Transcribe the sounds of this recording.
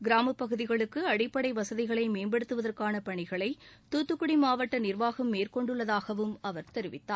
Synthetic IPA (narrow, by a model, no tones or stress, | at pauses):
ɡɪɾaːmɐpːɐɣɯðɪɣɐɭɯkːɯɐɽɪpːɐɽɐɪʋɐsɐðɪɣɐɭɐɪmeːnbɛɽɯt̪ːɯʋɐðɐrkaːnɐpɐɳɪɣɐɭɐɪt̪uːt̪ːɯkːʊɽimaːʋɐʈːɐnɪrʋaːɣɐmːeːrkɔɳɖɯɭːɐðaːɣɐʋɯmɐʋɐɾt̪ɛɾɯʋɪt̪ːaː